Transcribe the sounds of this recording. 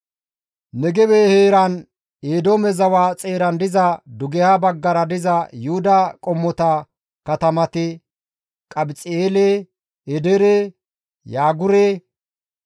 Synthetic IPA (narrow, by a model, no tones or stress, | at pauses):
nɛɡɛweːheːɾɐn | eːd̪oːmɛzɐwaːt͡sʼe̞ːɾɐnd̪ɪzɐd̪ʊɡɛhabɐɡːɐɾɐd̪ɪzɐjʊhʊd̪ɐkʼɔmːɔt̪ɐ | kɐt̪ɐmɐt̪ɪ | kʼɐbɪt͡sʼɪeːleː | ɛd̪ɛɾeː | jaːɡʊɾeː